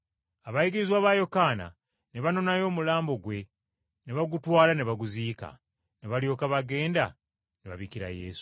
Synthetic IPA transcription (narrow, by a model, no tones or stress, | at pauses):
aβajiɡiɾizwaβajo̞kaːna̰ | ne̞βano̞najo̞ːmulaːmbo̞ɡwe̞ | ne̞βaɡutwaːlane̞βaɡuziːka̰ | ne̞βaljo̞ːkaβaɡe̞ːnda | neβaβikiɾa̰je̞̰ːsu̥